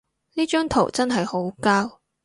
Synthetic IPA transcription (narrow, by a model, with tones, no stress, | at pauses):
niː˥t͡ʃœː˥ŋt̪ʰo̰˨˩wt͡sɐ˥nɦɐ˨jho˨˥wkaː˥w